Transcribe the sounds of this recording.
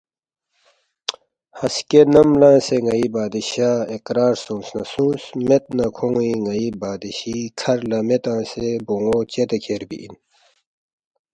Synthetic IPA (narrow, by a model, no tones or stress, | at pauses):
hɐskenɐmlãːseŋɐibaːd̪iɕaːekɾaːɾsũːnsnɐsũːnsmet̪̚nɐkʰõŋiŋɐibaːd̪iɕiːkʰɐɾlɐmet̪ãːseboŋoːt͡ɕet̪ekʰeːɾbḭʔḭn